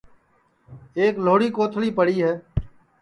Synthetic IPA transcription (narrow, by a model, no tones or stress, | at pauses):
eːkloːɽiːkoːt̪ʰliːpəɽiːɦɛː